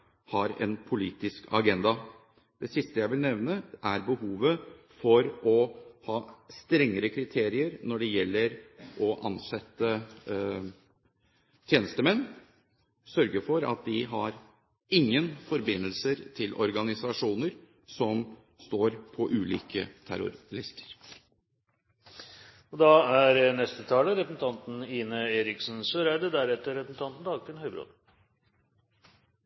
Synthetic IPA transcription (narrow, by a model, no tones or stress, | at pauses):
hɑɾɛ̰npʰʊliːt̪ɪskʰɑ̰ɡɛnd̪ɑ | d̪̥ɛsɪst̪əjæɪʋɪlnɛʋnəʔæɾbəhuːʋə | fɔɾɔhɑːst̪ɾɛŋːəɾəkʰɾɪt̪ʰeːɾɪəɾnɔɖɛjɛlːəɾʔɔʔɑnsɛt̪ːə | t̪ʰjeːnəst̪əmɛnː | sœɾɡəfɔɾɑ̰t̪̚d̪ɪɦɑɾ | ɪŋːənfɔɾbɪnːəlsəɾt̪ʰɪlʔɔɾɡɑnɪsɑʂuːnəɾ | sɔm | st̪oːɾpʰɔʔʉːlḭːkə̰t̪ʰæ̰ɾʊ̰ɾɪst̪ə̥ɾ | ɔd̪ɑæɾnɛst̪ət̪ʰɑːləɾɛpəsn̩t̪ʰɑnt̪n̩iːnəeːɾɪksn̩søɾæɪd̪əd̪æɾɛt̪ːəɾɛpsn̩t̪ʰɑnt̪n̩d̪ɑːɡ̚t̪ɪnœʏbɾo̰d̪